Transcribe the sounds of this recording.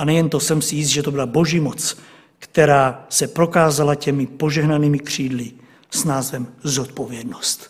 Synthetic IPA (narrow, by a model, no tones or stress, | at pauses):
ʔanɛjɛnt̪osɛmsijɪs̬t̪ʒɛt̪obilabo̞ʒiːmot͡s | kt̪ɛɾaːsɛpɾokaːzalacɛmɪpoʒɛɦnaniːmɪkr̝̥iːd̪li | snaːzvɛmzot̪̚povjɛd̪nost̪